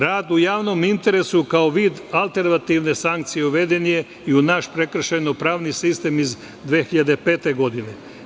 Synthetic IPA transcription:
ɾaːd̪ujaːʋno̞mint̪e̞ɾe̞sukaoʋiːd̪alˠt̪e̞ɾnat̪iʋne̞saŋkt̪sije̞uʋe̞d̪e̞nije̞ | iunaʃpɾe̞kr̩ʃajnopɾaːʋnisist̪e̞miz | d̪ʋeːxiʎad̪e̞pe̞ːt̪e̞ɡo̞d̪ine̞

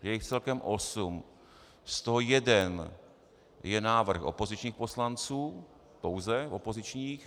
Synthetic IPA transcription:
jɛjɪxt͡sɛlkɛmʔosum | st̪oɦojɛdɛn | jɛnaːvr̩xʔo̰po̞zɪt͡ʃɲiːxpo̞slant͡suː | powzɛopo̞zɪt͡ʃɲiːx

